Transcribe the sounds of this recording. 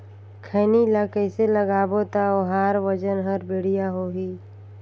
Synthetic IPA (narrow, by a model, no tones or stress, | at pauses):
kʰəːnilakəɪseləɡaːbot̪aoɦaːɾʋəd͡ʒənɦəɾbeːɽ̤ijaɦoɦiː